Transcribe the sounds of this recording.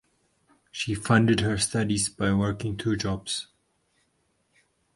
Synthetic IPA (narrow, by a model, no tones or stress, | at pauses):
ʃifʌ̃ndɨdhəstʌdizbaɪwɜɹkɪ̃ŋt̪ʰɹud͡ʒɔbs